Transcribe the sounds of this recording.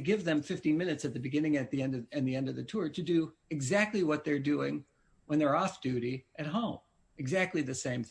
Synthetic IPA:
ɡɪvðɨ̃ɱfɪftĩnmɪ̃nɨtsɨt̪̚ðɨbɨɡɪ̃nɪ̃ŋɨt̪̚ðiɛ̃ndʌɨ̃nðiɛ̃ndʌvðɨtʰʊɹɾɨdɨɨɡzæk̚tˡliwʌt̪̚ðə˞dʉɪ̃ŋ | wə̃nðə˞ɔfd̥ʉɾiɨt̚ɦõʊ̃m | ɨɡzæk̚tˡliðɨsẽɪ̃mθ

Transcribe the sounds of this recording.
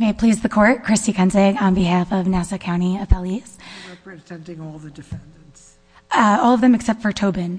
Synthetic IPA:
meɪpʰl̥izðɨkʰɔɹt̚kʰɹ̥ɪstikʰʌ̃nzɪɡə̃nbɨhæfʌvnæsɨkʰãʊ̃ɾ̃iɨpɛlˠiz̥ɹɛpɹɨzɛ̃ntɪ̃ŋɔlˠðɨdɨfɛ̃nd̃nts | ʌɔlˠʌvðɨ̃mɨksɛp̚tfə˞tʰoʊbɨ̃n

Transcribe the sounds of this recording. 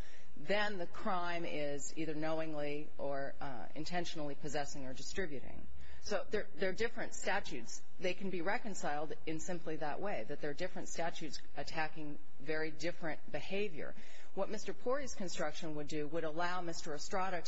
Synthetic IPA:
ðɨ̃nðɨkʰɹ̥ãɪ̃mɪ | ziðə˞noʊɪ̃ŋli | ʔə˞ | ɪ̰̃ntʰɛ̃nʃnl̩ˠipʰɨzɛsɪ̃ŋə˞dɨstɹ̥ɪbjʉɾɪ̰̃ŋ | soʊðə˞ðə˞dɪfɹɨ̃ntstæt͡ʃʉts | ðeɪkɨ̃n̩biɹɛkɨ̃nsaɪlˠd | ɨ̃nsɪ̃mpliðə̰ʔwʔeɪðɨt̪̚ðə˞dɪfɹɨ̃ntstæt͡ʃʉts | ɨtʰækɪ̃ŋ | vɛɹidɪfɹɨ̃ntb̥ɨheɪvjə̰˞ | wʌt̚mɪstə˞pʰɔɹiz̥kɨ̃nstɹ̥ʌkʃɨ̃nwədɨwəɾəlaʊmɪstə˞ɨstɹ̥ɑɾɨ

